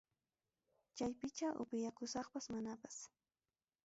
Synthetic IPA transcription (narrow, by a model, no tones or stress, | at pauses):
t͡ʃajpɪt͡ʃaʔʊ̰pɪjakʊsɑχpasmanapḁs